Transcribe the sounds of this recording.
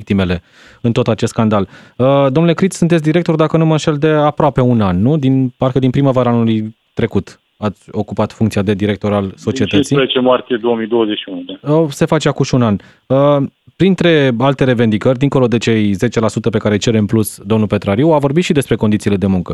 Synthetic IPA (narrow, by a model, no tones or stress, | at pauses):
kt̪ime̞le̞ | ɨnt̪o̞t̪at͡ʃe̞st̪skand̪aləd̪o̞mnule̞kɾit̪sʲsunt̪et̪sʲd̪iɾe̞k̚t̪o̞rd̪akənumənʃe̞ld̪e̞apɾoape̞unanːud̪inparkəd̪inpɾiməvaɾaanuluj | t̪ɾe̞kut̪ | at̪sʲo̞kupat̪fuŋkt̪siad̪e̞d̪iɾe̞k̚t̪o̞ɾalso̞t͡ʃie̞t̪ət̪siet͡ʃemart̪ijed̪o̞omijd̪o̞wəzeʃiunud̪aəse̞fat͡ʃeakuʃiunan | əpɾint̪ɾe̞alt̪e̞ɾe̞ve̞nd̪ikərʲd̪iŋko̞lo̞d̪e̞t͡ʃe̞jze̞t͡ʃe̞lasut̪əpe̞kaɾet͡ʃe̞ɾemplusd̪o̞mnupe̞t̪ɾaɾiuavo̞rbit̪ʃid̪e̞spɾe̞ko̞nd̪it̪sile̞d̪e̞muŋkə